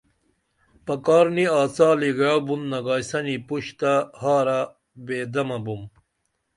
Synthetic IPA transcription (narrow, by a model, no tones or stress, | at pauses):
pɐkaːɾniaːt͡saːliɡawbunnɐɡaːjsɐnipuɕt̪ahaːɾa | beːd̪ɐmɐbum